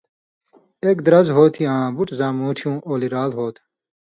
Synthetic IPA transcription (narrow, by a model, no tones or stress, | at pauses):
ekd̪ɾɐzɦoːt̪ʰiãːbuʈzãːmũːʈʰjũːʔoːliɾaːlɦoːt̪ʰ